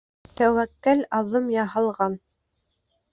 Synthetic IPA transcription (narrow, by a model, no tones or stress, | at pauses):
t̪æwækːælɑðɤmjɑɦɑ̆lˠʁɑn